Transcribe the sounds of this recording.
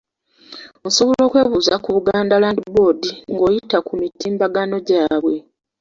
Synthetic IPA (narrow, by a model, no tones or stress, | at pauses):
onso̞βolo̞ːkwe̞ːβuːzakuβuɡaːndalandibodiŋɡo̞ːjitakumitiːmbaɡano̞ɟaːβwe̞